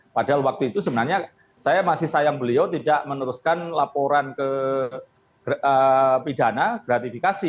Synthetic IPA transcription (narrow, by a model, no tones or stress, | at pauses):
padalwak̚t̪uit̪usəbənarɲa | sajamasɪhsajaŋbəliawt̪idaʔmənəɾʊskanlapoɾankə | əpidanaɡ̥ɾat̪ifikasi